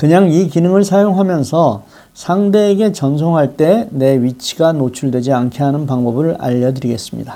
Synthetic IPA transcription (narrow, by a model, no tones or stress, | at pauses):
kɯɲaŋikinɯŋɯɭsʰajoŋɦamjʌnsʰʌ | sʰaŋde̞ːɡe̞t͡ɕʌns̬ʰoŋɦaɭt͈e̞ne̞ɥit͡ɕʰi̥ɡanot͡ɕʰuɭdwe̞d͡ʑiankʰiɦanɯnpaŋbʌbɯɭa̰ʎːʌdɯɾiɡe̞s͈ɯmɲḭda